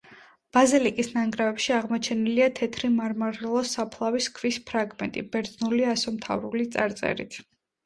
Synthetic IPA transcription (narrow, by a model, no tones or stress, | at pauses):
b̥azilikʼisnaŋɡɾavɛpʃiaʁmɔt͡ʃʰɛniliat̪ʰɛt̪ʰɾimaɾmaɾɛlˠɔsapʰlˠaviskʰvispʰɾaɡmɛ̰nt̪ʼḭbɛɾd̪znuliasɔmt̪ʰa̰vɾulit̪sʼa̰ɾt̪sʼɛ̰ɾḭt̪ʰ